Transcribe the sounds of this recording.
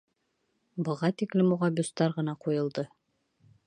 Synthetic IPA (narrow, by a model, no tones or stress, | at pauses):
bɤ̆ʁɑt̪iklɘmuʁɑbust̪ɑɾʁɤ̆nɑqujɤ̆lˠd̪ɤ